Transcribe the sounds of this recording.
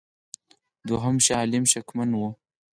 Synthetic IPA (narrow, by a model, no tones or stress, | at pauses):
d̪oɦamʃaːlɪmʃakmanwu